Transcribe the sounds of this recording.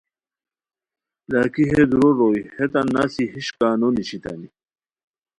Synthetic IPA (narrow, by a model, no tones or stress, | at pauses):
lakiɦed̪uɾoɾojhet̪anːasiɦiɕkaːnoniɕit̪a̰ni